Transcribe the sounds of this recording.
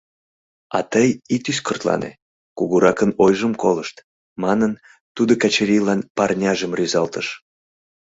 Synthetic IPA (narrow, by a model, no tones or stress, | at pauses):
ɑ̰t̪əjit̪yskərt̪lɑ̰nʔḛ | kuɣuɾɑkənojʒəmkoləʃt̪ | mɑnən | t̪ud̪okɑt͡ɕeɾʲilɑnpɑrnʲɑʒəmryzɑlt̪əʃ